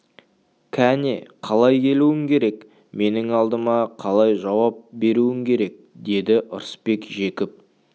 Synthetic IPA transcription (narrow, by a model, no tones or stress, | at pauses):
kʲʰæneqʰɑlˠɑjkʲʰe̞luɪŋkʲʰe̞ɾe̞k | me̞nɪŋɑlˠd̪əmɑqʰɑlˠɑjʒɑwɑp̚be̞ɾuɪmkʲʰe̞ɾe̞k̚d̪e̞d̪ɪʔʊɾəspe̞kʒe̞kʲɪp̚